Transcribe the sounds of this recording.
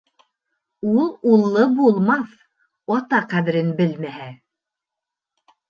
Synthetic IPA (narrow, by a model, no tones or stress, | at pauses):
ulˠulˠːɤbulˠmɑθ | ɑt̪ɑqæðɘ̆ɾɘnbɘlmæhæ